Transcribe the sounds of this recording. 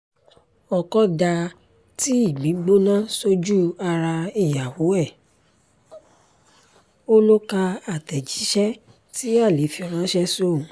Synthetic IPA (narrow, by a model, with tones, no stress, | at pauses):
ɔ˨kɔ˦da˧ | ti˦i˦˨mĩ˨˦ɡ͡bo˦nã˦so˦d͡ʒu˦a˧ɾa˧i˨ja˨wo˨˦ɛ˦˨ | o˦lo˦ka˧a˨tɛ˨d͡ʒi˨˦ʃɛ˦ | ti˦a˦˨le˨˦fi˧ɔ˨ɾ̃ã˨˦ʃɛ˦so˦˨˦